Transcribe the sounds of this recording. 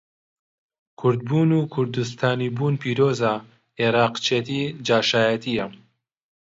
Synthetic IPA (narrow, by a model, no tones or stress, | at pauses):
kʰʊɾd̪̚buːnukʰʊɾd̪us̬t̪ʰaːniːbuːnpʰiːɾoːza | eɾaːqt͡ʃʰeːt̪id͡ʒaːʃaːjɐt̪ʰijɐ